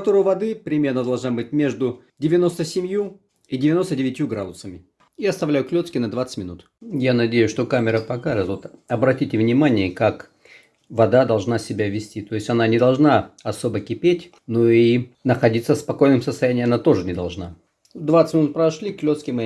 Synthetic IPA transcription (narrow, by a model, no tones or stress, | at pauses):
ɐt̪oɾʊjʊvɐd̪ɨpɾʲɪmʲe̞rnəd̪ɐlˠʐnabɨtʲmʲe̞ʐd̪ʊ | dʲɪvʲɪno̞st̪əsʲɪmʲju | idʲɪvʲɪno̞st̪ədʲɪvʲɪtʲjuɡɾad̪ʊsəmʲɪ | iɐst̪ɐvlʲæjʊklʲo̞t̪skʲɪnɐd̪vat̪sɨtʲmʲɪnut̪ | janɐdʲejʊsʂt̪o̞kamʲɪɾəpɐkaʐt̪vot̪ɐbɾɐtʲitʲɪvnʲɪmanʲɪəkak | vɐd̪ad̪ɐlˠʐnasʲɪbʲavʲɪsʲtʲit̪o̞ɪsʲɐnanʲɪd̪ɐlˠʐnaɐso̞bəkʲɪpʲetʲ | noinəxɐdʲit̪səfspɐko̞jnɨmsəst̪ɐjænʲɪːɐnat̪o̞ʐɨnʲɪd̪ɐlˠʐna | d̪vat̪sə̥tʲmʲɪnut̪̚pɾəɐʂlʲiklʲo̞t̪skʲɪmɨ